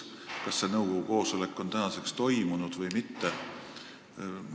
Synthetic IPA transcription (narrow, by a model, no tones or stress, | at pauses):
kɑsːe̞nɤwɡ̥oɡuko̞ːsole̞kːˑo̞nt̪ænɑse̞kst̪o̞jmunud̪̥vɤjmit̪ːe